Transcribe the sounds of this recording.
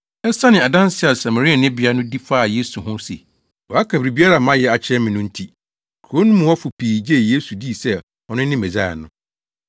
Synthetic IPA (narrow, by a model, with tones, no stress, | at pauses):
ɛ˦sa˦nɪ̃˨a˨dã˦n˦sɪ˦a˨sa˨ma˨ɾi˦a˨nɪ̃˦bi˨a˦nʊ̃˦di˦faː˦˨je˦su˨ɦʊ̃˦sḛ˨ | wɔ˨a˦kʰa˨bɾi˨bi˦a˦ɾa˨mã˦jɛ˦a˨t͡ɕʰɪ˦ɛ˦mɪ̃˨nʊ̃˦n̩˦tʰi˦˨ | kʰo˦nʊ̃˦mũ˨wɔ˦fʊ˨pʰiː˨d͡ʑe˦˨je˦su˨di˦˨sɛ˦ | ɔ˨nʊ̃˦nɪ̃˦mɛ˨d͡za̰˦˨nʊ̃˦